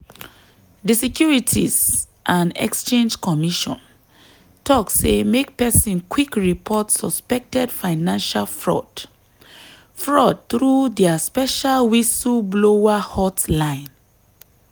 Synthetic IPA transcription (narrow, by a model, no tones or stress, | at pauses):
disikjuɹitʰḭz | ʔãnɛ̰kst͡ʃẽnd͡ʒkɔmiʃɔ̰̃n | tʰɔksemek̚pɛsĩnkwikɹipʰɔtsɔspɛk̚tɛdfaɪnãnʃalfɹɔd | fɹɔd̚t̪ɹudɛaspɛʃalwisublowahɔtlãɪ̃n